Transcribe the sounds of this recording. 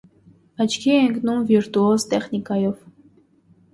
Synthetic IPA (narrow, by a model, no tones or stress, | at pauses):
ɑt͡ʃʰkʰiɛəŋkʰnumviɾt̪uɔzt̪ɛχnikɑjɔv